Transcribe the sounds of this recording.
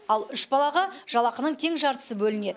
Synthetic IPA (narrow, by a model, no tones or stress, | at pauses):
ɑlˠʏʃbɑlˠɑʁəʒ̥ɑlˠɑqənəɴt̪ʰe̞ŋʒɑɾt̪ə̥səbɵlɪne̞d̪ɪ